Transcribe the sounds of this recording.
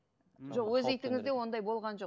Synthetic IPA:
ʒo̞qwɵzejt̪ɪŋɪzd̪e̞wo̞nd̪ɑjbo̞lˠʁɑnʒo̞

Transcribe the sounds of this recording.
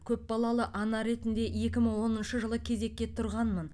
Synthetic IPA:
kʲʰɵpbɑlˠɑlˠəʔɑnɑɾe̞t̪ɪnd̪e̞je̞kʲɪməɴwo̞nənʃəʒəlˠəkʲʰe̞ze̞kʲːe̞t̪ʰʊɾʁɑnmən

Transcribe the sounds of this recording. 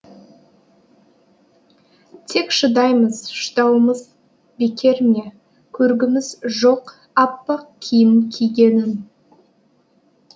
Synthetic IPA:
t̪ʰe̞kʃəd̪ɑjməz̥ʃə̥t̪ɑwəməz | bekʲe̞ɾme | kʲʰɵɾɡʲɪmɪzʒo̞q | ɑpːɑq̚kʲʰijɪmkʲʰijɡʲe̞nɪn

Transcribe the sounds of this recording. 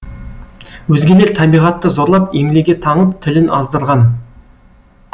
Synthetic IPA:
wɵzɡʲe̞le̞ɾt̪ʰæbijʁɑt̪ːəzo̞ɾlˠɑpemleɡʲe̞t̪ʰɑɴəpt̪ʰɪlɪnɑ̰zd̪əɾʁɑn

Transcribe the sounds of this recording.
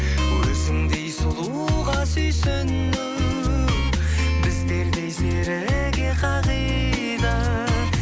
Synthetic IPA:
wɵzɪŋd̪e̞jsʊlˠu | ʁɑsɵjsɪnːuw | bɪzb̪eɾd̪e̞jseɾɪɡʲe̞qʰɑʁij | d̪ɑ

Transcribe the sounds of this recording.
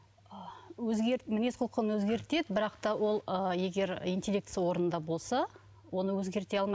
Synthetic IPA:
əɵzɡʲeɾmɪne̞sqʰʊlˠqʰənwɵzɡʲe̞ɾt̪e̞d̪ɪbɪɾɑqt̪ɑwo̞lˠəje̞ɡʲe̞ɾijnt̪ʲe̞lʲːe̞kt̪sɨjɑwo̞ɾənənd̪ɑbo̞lˠsɑ | wo̞nəwɵzɡʲe̞ɾt̪e̞ɑlˠmɑj

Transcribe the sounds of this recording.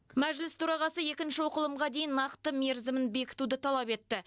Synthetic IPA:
mæʒlɪst̪ʰuɾɑʁɑsəje̞kʲɪnʃɪwoqəlˠəmʁɑd̪e̞jɪnːɑqt̪əme̞ɾzɪmɪnbe̞kʲɪ̥t̪ud̪ɪt̪ʰɑlˠɑpe̞t̪ːɪ

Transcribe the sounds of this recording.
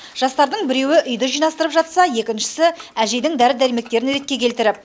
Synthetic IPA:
ʒ̥ɑst̪ɑɾd̪əɴbɪɾe̞wɪʔʏjd̪əʒijnɑst̪əɾəpʒɑt̪sɑje̞kʲɪnʃɪ̥sɪæʒe̞jd̪ɪŋd̪æɾɪd̪æɾijme̞k̚t̪e̞ɾɪnɾe̞t̪̚kʲekʲʰe̞lt̪ɪɾɪp̚

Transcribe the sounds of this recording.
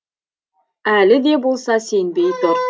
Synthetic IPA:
ælɪd̪ebolˠsɑsenbejb̪ɪ

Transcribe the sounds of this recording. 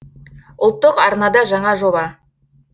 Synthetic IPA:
ʊlˠt̪ːəqɑɾnɑd̪ɑʒɑɴɑʒobɑ

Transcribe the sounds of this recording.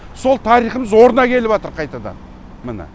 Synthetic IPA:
so̞lˠt̪ʰɑɾijχəməzwo̞ɾənɑkʲʰe̞lɪbɑt̪əɾqʰɑjt̪ɑd̪ɑ̰n | mənə̰

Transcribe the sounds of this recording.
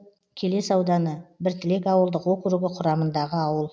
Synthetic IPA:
kʲʰe̞le̞sɑwd̪ɑnəbɪɾt̪ʰɪlekɑwəlˠd̪əqwokɾuɡʲɪqʰʊɾɑmənd̪ɑʁəɑwəlˠ

